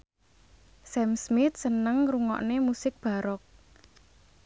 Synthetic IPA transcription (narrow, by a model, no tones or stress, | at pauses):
sɛmsmɪt̪̚sənəŋruŋɔ̰ʔnemusɪk̚b̥a̤ɾɔk̚